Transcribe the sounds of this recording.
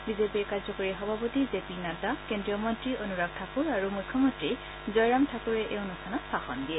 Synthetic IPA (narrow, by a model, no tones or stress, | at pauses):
bizepiɹkaɹzɔkoɹixɔbʱapotizepinatakendɹiɔmɔntɹionuɹaɡ̚tʰakuɹaɹumujkʰːɔmɔntɹi | zɔjɹamtʰakuɹɛʔɛʊnɔsʰanɔtsaxɔndijɛ